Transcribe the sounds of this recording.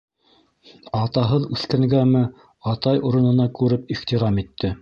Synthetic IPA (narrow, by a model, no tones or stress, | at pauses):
ɑt̪ɑɦɤðʉθkæŋɡæmɘ | ɑt̪ɑjuɾɤ̆nɤ̆nɑkʉɾɘp̚iχt̪iɾɑmit̪ːɘ